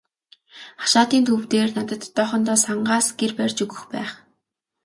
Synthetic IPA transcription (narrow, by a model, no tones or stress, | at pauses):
χḁʃaːt̪iːnt̪ʰuwt̪eːrnat̪ə̆t̪ːɔːχɞ̆nt̪ɔːsaɴɢaːsɡ̥erpærʲt͡ɕɵɣɵ̆xpæ̰ːχ